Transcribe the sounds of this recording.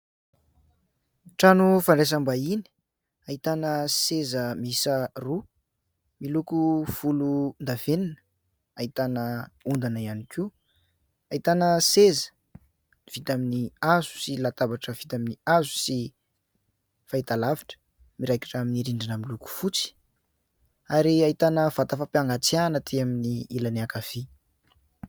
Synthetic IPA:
ʈ͡ʂanufaɳɖ͡ʐes̬ambaini̥ | ait̪anəsezəmisəru | milukufulund̪aveninə̥ | ait̪anəund̪anəianiki | ait̪anəsezə̥ | iv̥it̪aminiazu̥silat̪abaʈ͡ʂəvit̪aminiazu̥si | fait̪alavi̥ʈ͡ʂə̥ | miɾajkḁʈ͡ʂaminiɾiɳɖ͡ʐinamiluku̥fut͡si̥ | aɾiait̪anəvat̪afapjaŋɡat͡sianət̪ʰiaminiilanakafi

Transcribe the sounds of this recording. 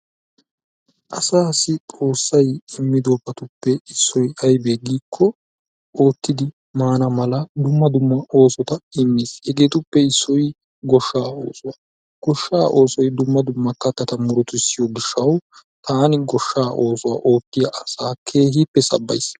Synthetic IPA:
ʔɐsaːsɪtʼo̞ːsːɐjɪmːɪd̪oːpɐt̪ʊpːɛɪsːɔjɐjbeːɡiːkʰːɔ | o̞ːt̪ːɪd̪ɪ | maːnɐmɐlɐd̪ʊmːɐd̪ʊmːɐʔoːsɔt̪ɐɪmːishɛɡe̞ːt̪ʊpːɛɪsːɔj | ɡɔʃːaːo̞̰ːsʊaː | ɡ̥ɔʃːaːʔo̞ːsɔjd̪ʊmːɐd̪ʊmːɐkːɐt̪ːɐt̪ɐmʊɾɔt̪ʊɪsːɪjɔɡɪʃːɐw | t̪aːnɪɡɔʃːaːʔo̞ːsɔwa̰ːʔo̞ːt̪ːɪjɐʔɐsaːkʰe̞ːhiːpːɛsɐ̰bːɐ̰js

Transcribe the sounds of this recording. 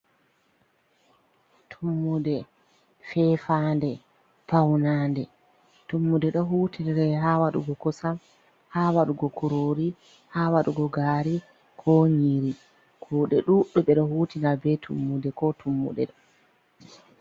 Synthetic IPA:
tʰumːudɛ | fɛfaːndɛ | pawnandɛ | tumːudɛɗɔɦuːtinɛɾɛɦawaɗuɡɔkɔsam | haːwaɗuɡɔkuɾoːɾi | hawaɗuɡɔɡaɾi | kʰɔɲiɾi | kʰuːɗɛɗuɗːuɓɛɗɔhuːtinabɛtʰṵmːudɛkɔtʰumːṵɗɛ̰ɗɔ

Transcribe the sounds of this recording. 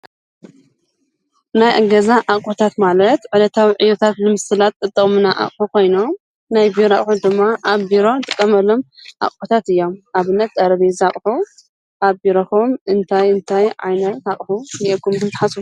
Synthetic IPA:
najʔɨɡɐzaʔaχʼħut̪ʰat̪malɐt̪ʕɨlɐt̪ʰawiʕɨjot̪ʰat̪lɨmɨsɨlat̪̚ʼɨt̪ʼːɨkʼmɨnaʔa̰χʼħukʰo̞jno | najbiɾaχʼħud̪ɨmːaʔaβbiɾo̞nt̪ʼɨkʼːɐmɐlːo̞mʔa̰χʼħut̪ʰat̪ɨjːomʔaβɨnːɐt̪̚d̪ʼɐɾɐβizaχʼħu | ʔabiɾoxomɨnt̪ʰajɨnt̪ʰajʕa̰jnɐt̪aχʼħuniʔekʰːumkɨnt̪ʰaħasu

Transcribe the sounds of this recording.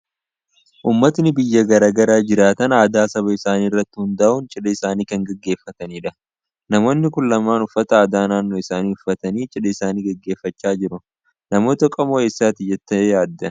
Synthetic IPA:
ʔuːmːɐt̪nɪbɪjːɐɡɐɾaːɡɐɾaːd͡ʒɪɾaːt̪ɐnaːd̪aːsɐβɐɪsaːniːrːɐt̪ːɪhʊnd̪ɐʔʊnt͡ʃʼɪɗɐɪsaːniːkɐŋɡɐɡːe̞ːfːɐt̪ɐniːᶑɐ | nɐmo̞ːnːɪkʊnlɐmaːnʊfːɐt̪ɐaːd̪aːnaːnːoːɪsaːniːʊfːɐt̪ɐniːt͡ʃʼɪᶑɐɪsaːniːɡɐɡːe̞ːfːɐt͡ʃːaːd͡ʒɪɾʊ | nɐmo̞ːt̪ɐkʼɐmoeːsːaːt̪ɪjːɛt̪ːɐejaːd̪ːɐ

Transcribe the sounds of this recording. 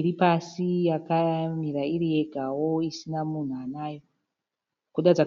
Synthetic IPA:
ɾipasijakamiɾaiɾije̞ɡʱawo̞isinamun̤uanaːjo̞ | kuɗad͡za

